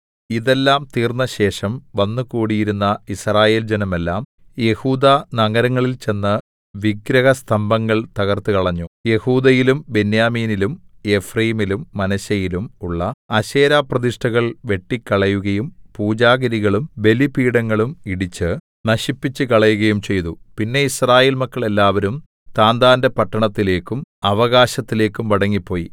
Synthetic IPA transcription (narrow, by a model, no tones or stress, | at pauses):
iðe̞lːaːmt̪iːrnːɐɕe̞ːʂɐmʋɐnːukuːɽijiɾunːɐisraːje̞ːld͡ʑenɐme̞lːaːm | je̞huːd̪aːnɐŋɐɾɐŋːɐɭilt͡ɕe̞nːɐ | ʋiɡɾɐɣɐst̪ʰɐmbʱɐŋːɐɭt̪ɐɣɐrt̪ɨkɐɭɐɲːuje̞huːd̪ɐjilumbe̞njaːmiːnilume̞frɐjimilumːɐnɐɕɐjilumuɭːɐɐɕeːɾaːprɐðiʂʈɐɣɐɭʋe̞ʈːikːɐɭɐjuɣɐjumpuːd͡ʑaːɣɐɾiɣɐɭumbe̞lipiːɽɐŋːɐɭumiɽit͡ɕːɨ | nɐɕipːit͡ɕːɨkɐɭɐjuɣɐjumt͡ɕe̞jt̪upinːe̞israːjeːlmɐkːɐɭe̞lːaːʋɐɾum | t̪aːnd̪aːnde̞pɐʈːɐɳɐt̪ːile̞ːkːumɐʋɐɣaːɕɐt̪ːile̞ːkːumʋɐɽɐŋːipːo̞ːji